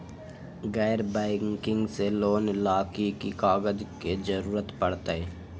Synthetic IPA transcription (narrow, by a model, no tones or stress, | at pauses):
ɣɛːɾbɛːkɪ̃ŋɡseloːnɪlaːkekikaːɡəd͡ʒked͡ʒɐɾuːɾət̪pɐɽt̪aɦɛː